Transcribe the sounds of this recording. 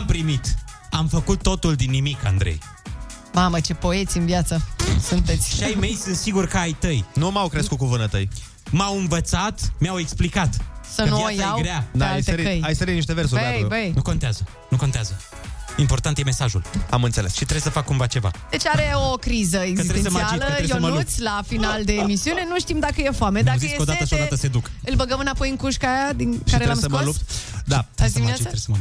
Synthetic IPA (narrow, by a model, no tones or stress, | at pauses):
ampɾimit̪amfəkut̪ːo̞t̪uld̪inːimika̰nd̪ɾḛj | mamət͡ʃe̞po̞e̞t̪sʲiɨnvjat̪səsunt̪et̪sʲʃiajme̞jsɨnt̪siɡurkəajt̪əjnumawkɾeskut̪̚kuvɨnat̪əj | mawɨnvət̪sat̪meawe̞ksplikat̪sənuvoajaajewɡɾead̪aajseɾiəjajsəɾiniʃt̪evers̬uɾeajovejnuko̞nt̪eazə | nukont̪eazə | impoɾt̪ãnt̪jemesaʒulamɨnt̪selesʃit̪ɾesəfakːumvat͡ʃeva̰d̪et͡ʃaɐɛokɾizɐezɐtit̪ɾẽssmaialɐɾeosmɐut̪slafinalˠd̪eemisiunenũʃt̪imd̪akɐjefamed̪akziekod̪at̪əsod̪at̪əsed̪ukɨlbɐɡɐmɨnapojẽŋkuʃkad̪ĩkʃaiɾelamsɐkmɐolupt̪d̪at̪ːsat̪ɾesəmɐ